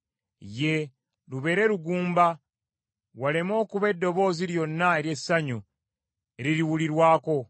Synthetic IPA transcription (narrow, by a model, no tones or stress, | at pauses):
je̞ | luβe̞ːɾe̞ɾuɡuːmba | wale̞mo̞ːkuβe̞dːo̞βo̞ːziɾjonːaeɾje̞saɲu | e̞ɾiɾiwuliɾwaːko̞